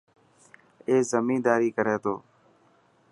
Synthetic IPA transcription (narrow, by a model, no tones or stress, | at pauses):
eːzəmĩːnd̪aːɾiːkəɾeːt̪o̰ː